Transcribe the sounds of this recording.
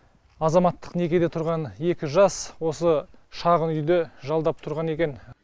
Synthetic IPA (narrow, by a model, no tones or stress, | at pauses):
ɑzɑmɑt̪ːə̥qne̞kʲe̞d̪e̞t̪ʰʊɾʁɑnje̞kʲɪʒɑswo̞səʃɑʁənʏjd̪eʒɑlˠd̪ɑp̚t̪ʰʊɾʁɑne̞kʲe̞n